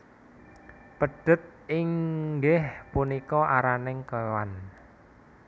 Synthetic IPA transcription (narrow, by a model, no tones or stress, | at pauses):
pəɖ̥ə̤t̪̚ɪŋɡɪhpunikɔʔaɾanɪŋkəwan